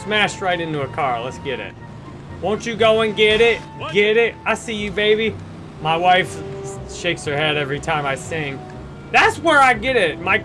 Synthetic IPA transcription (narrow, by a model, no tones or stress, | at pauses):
smæʃ̚ɹaɪɾɪ̃ntuəkʰɑɹlətsɡ̥ɛɾɪ̰t̚ | wõʊ̃nt͡ʃɨɡoʊə̃nɡɛɾɪt̚ | ɡ̥ɛɾɪt̚aɪlˠsijɨbeɪbi | maɪwaɪfʃeɪkshə˞hɛɾɛvɹitʰãɪ̃maɪsɪ̃ŋ | ðætswə˞aɪɡɛɾɪt̚maɪ